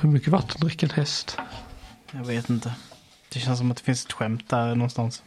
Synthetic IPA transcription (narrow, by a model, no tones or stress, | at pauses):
hɵɾmʏkːəvat̪ʰːənɾɪkːəɛnhɛst̪ | jaɡveːt̪ɪnt̪ə | d̪̥ɛɕɛns̬ɔmat̪d̪ɛ̥fɪnsɛ̥t̪ɧɛmt̪̚d̪æɾnɔnst̪ans